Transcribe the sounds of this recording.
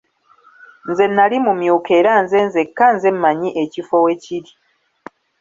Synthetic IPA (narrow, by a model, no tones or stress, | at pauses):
nze̞nːalimumjuːke̞ːɾanze̞nze̞kːanze̞mːaɲiʔecifowe̞ciɾi̥